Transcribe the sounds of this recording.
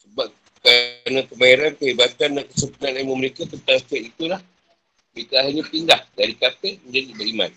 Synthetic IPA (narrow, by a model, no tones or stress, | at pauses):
səbap̚ | kɾaanãkəbajaɾankəɦibat̪ansəmpunanamuməɾekat̪ənt̪aŋst̪at̪it̪ulah | mɾekaaɦaɲãpindahdaɾikapəməɲd͡ʒadibəɾimã̰n